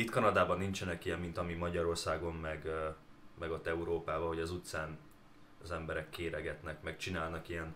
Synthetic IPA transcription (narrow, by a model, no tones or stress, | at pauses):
it̪kɒnɒd̪aːbɒnːint͡ʃɛnɛkijɛmːint̪ɒmimɒɟɒɾo̞rsaːɡo̞mmɛɡ | mɛɡo̞t̪ːɛuɾoːpaːbɒho̞ɟɒzut̪saːn | zɛmbɛɾɛkːeːɾɛɡɛt̪nɛkmɛkt͡ʃinaːlnɒkijɛn